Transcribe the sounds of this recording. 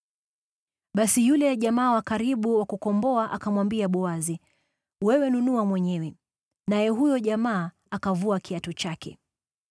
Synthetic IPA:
ɓasijulɛjaʄamaːwakaɾiɓuwakukɔmbɔaʔakamwambiaɓɔazi | wɛwɛnunuamwɛɲɛwɛ | najɛɦujɔʄamaː | akavuakiatɔt͡ʃakɛ̰

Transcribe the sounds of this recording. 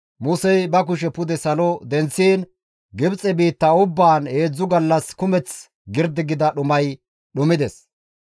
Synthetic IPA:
mʊsɛjbɐk̬ʊʃ̬ɛpʊd̪ɛsɐlɔd̪ɛnt͡sːiːn | ɡɪbt͡sʼɛbiːt̪ːɐʊbːaːnhe̞ːd͡zːʊɡɐlːɐskʊmɛt͡s | ɡɪɾd̪ɪɡɪd̪ɐɗʊmɐj | ɗʊmɪd̪ɛs

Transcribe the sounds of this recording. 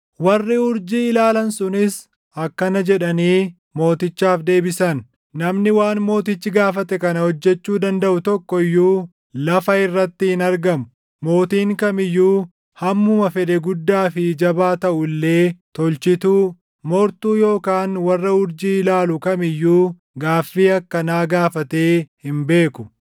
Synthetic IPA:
wɐrːɪʊɾd͡ʒiːɪlaːlɐnsʊnɪs | ɐkːɐnɐd͡ʒɛᶑɐniː | mo̞ːt̪ɪt͡ʃːaːfd̪e̞ːbɪsɐn | nɐmnɪwaːnmo̞ːt̪ɪt͡ʃːɪɡaːfɐt̪ɛkɐnɐhɔd͡ʒːɛt͡ʃːuːd̪ɐnd̪ɐʔʊt̪ɔkːɔjːuː | lɐfɐɪrːɐt̪ːɪhɪnɐɾɡɐmʊ̥ | mo̞ːt̪iːŋkɐmɪjːuː | hɐmːʊmɐfɛd̪ɛɡʊd̪ːaːfɪd͡ʒɐbaːt̪ɐʔʊlːe̞ːt̪ɔlt͡ʃɪt̪uː | mɔɾt̪uːjo̞ːkaːnwɐrːɐʊɾd͡ʒiːlaːlʊkɐmɪjːuː | ɡaːfːiːɐkːɐnaːɡaːfɐt̪e̞ːhɪmbe̞ːkʊ̥

